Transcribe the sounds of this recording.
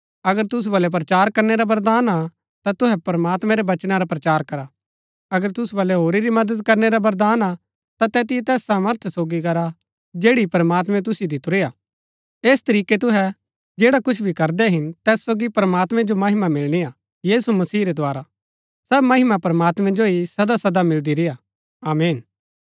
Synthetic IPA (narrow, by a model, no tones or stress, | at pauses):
ɐɡəɾt̪ʊs̬ubɐlɛp̬ɾɐt͡ʃaːɾkɐɾneɾabɐɾd̪aːna | t̪at̪ʊɦɛpɾəmaːt̪mɛ̃ɾɛʋɐt͡ʃnaɾapɾɐt͡ʃaːɾkɐɾa | ɐɡəɾt̪ʊsubɐlɛɦoːɾiɾimɐd̪əd̪kɐɾneɾabɐɾd̪aːna | t̪at̪ɛːt̪̬ɪjet̪ɛːsːaːməɾt̪ʰsoːɡikɐɾa | d͡ʒeːɽipɐɾəmaːt̪mɛ̃t̪̬ʊsɪjod̪ɪt̪ʊɾeaː | eːst̪ɐɾiːket̪̬ʊɦɛ | d͡ʒeːɽakʊt͡ʃʰbʱikɐɾd̪ɛɦɪnt̪ɛːsːoːɡipɾəmaːt̪mɛ̃d͡ʒomɐɦɪmamɪlñia | jiːsumɐsiːɾɛd̪ʱoaːɾa | sɐbmɐɦɪmapɐɾəmaːt̪mɛ̃d͡ʒoisɐd̪asɐd̪amɪld̪iɾɪja | aːmeːn